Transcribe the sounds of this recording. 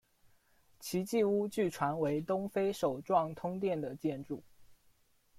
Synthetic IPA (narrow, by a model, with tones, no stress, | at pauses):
t͡ɕʰi˧˥t͡ɕi˥˧u˥t͡ɕy˥˩ʈ͡ʂʰwa˧˥nwe˧˥ɪt̪ʊ˥ŋfe˥ɪʂo˨˩ʊʈ͡ʂwɑ˥˩ŋt̪ʰʊ˥ŋt̪̬jɛ˥˩nd̪ə˩t͡ɕjɛ˥˧nʈ͡ʂu˥˩